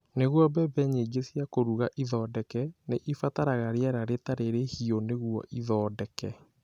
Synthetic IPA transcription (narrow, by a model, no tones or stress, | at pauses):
neɣwɔbɛbɛɲeɡesjakoɾuɣaʔiðɔdɛkɛneʔifataɾaɣaɾeaɾaɾetaɾeɾehioneɣuɔ̰ʔiðɔdɛkɛ